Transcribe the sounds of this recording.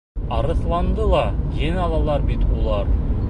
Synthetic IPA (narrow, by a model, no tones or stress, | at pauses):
ɑɾə̆θlˠɑnd̪əlˠɑjenɑlˠɑlˠɑɾbit̪wolˠɑɾ